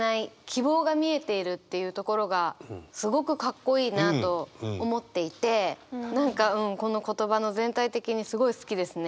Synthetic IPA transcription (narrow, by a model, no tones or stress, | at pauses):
naikʲibo̞ːɡamʲie̞t̪e̞iɾɯ̟t̪ːe̞jɯ̟ːt̪o̞ko̞ɾo̞ɡasɨɡo̞kɯ̟kakːo̞iːnat̪o̞ːmo̞t̪ːe̞it̪e̞nãŋkaɯ̟̃ɴko̞no̞ko̞t̪o̞bano̞zẽ̞nt̪ait̪e̞kʲiɲ̟isɨɡo̞isɨ̥kʲid̪e̞sɨne